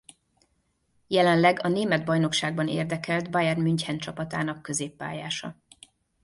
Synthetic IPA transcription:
jɛlɛnlɛɡɒneːmɛd̪bɒjn̪o̞kʃaːɡbɒnḛːrd̪ɛkɛld̪bɒjɛrmyɲchɛnt͡ʃɒpɒt̪a̰ːn̪ɒkːø̞zeːpːa̰ːjaːʃɒ̰

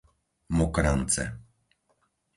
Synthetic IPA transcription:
mɔkɾant͡sɛ̰

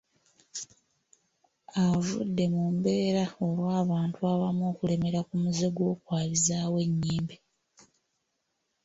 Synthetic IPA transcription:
avṵdːe̞mumbe̞ːɾao̞lwaːβaːntuaβamoːkule̞me̞ɾakumuze̞ɡo̞ːkwaːlizaːwe̞ɲːiːmbi

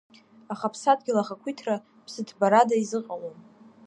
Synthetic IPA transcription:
aχapʰsad̚ɡʲɪlaχakʷʰitʰra | pʰsɨtʰbaɾadaizɨqʼalon

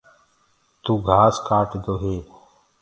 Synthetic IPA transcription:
t̪uːɡʱaːskaːʈd̪oːɦeː

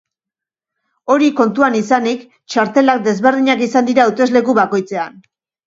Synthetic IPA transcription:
o̞ɾiko̞nt̪uanisanik | t͡ʃaɾt̪e̞lak̚d̪e̞zβe̞ɾð̞iɲakisand̪iɾawt̪e̞zle̞kuβako̞jt͡se̞an

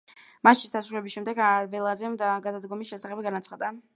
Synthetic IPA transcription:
maʃisd̪asɾuɾɛbisʃɛmd̪ɛɡaɾvɛlˠazɛmd̪aɡad̪ad̪ɡɔmisʃɛsaχɛbɡanat̪sʰχad̪a

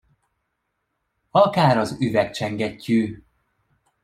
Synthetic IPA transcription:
ɒkaːɾɒzyvɛk̚t͡ʃɛŋɡɛcːyː

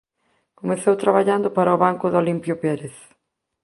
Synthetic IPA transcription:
komeθowt̪ɾaβaʎand̪ʊpaɾɐoβaŋkʊðolimpjʊpɛɾeθ

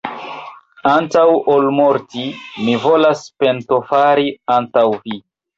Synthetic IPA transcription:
antawolmo̞ɾtimivo̞laspe̞nto̞faɾiantawvi

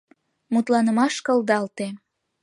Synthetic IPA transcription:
mut̪lɑnəmɑʃkəld̪ɑlt̪e

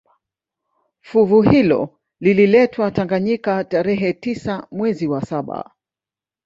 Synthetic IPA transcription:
fuvuhilɔ̰ | lililɛtʰwataŋɡaɲikataɾɛɦɛtisamwɛziwasaɓa̰

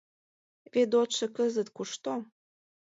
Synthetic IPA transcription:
βed̪̬ot̪ʃɤ̆kəzət̪kuʃt̪o

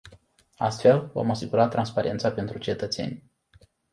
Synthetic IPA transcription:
a̰st̪fe̞lvo̰masiɡuɾat̪ːɾʔanspaɾʔe̞nt̪sape̞nt̪ɾut͡ʃe̞t̪ət̪se̞̰nʲ

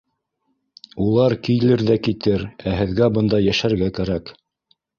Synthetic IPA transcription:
ulˠɑɾkijlɘɾðækit̪ɘɾæɦɘ̆ðɡæbɤnd̪ɑjæʃæɾɡækæɾæk

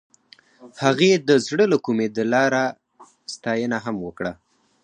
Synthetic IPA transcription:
haɣed̪əzɽələkumed̪əlɑɾa | st̪ɑjənaɦamwəkɽa

